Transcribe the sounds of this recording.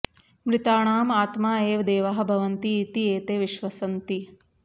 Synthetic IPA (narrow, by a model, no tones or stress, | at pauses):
mɾɪt̪aːɳaːmaːt̪maːeːʋd̪eːʋaɦɐ̆bʱɐʋɐnt̪iːt̪ieːt̪eːʋiʃʋɐsɐnt̪i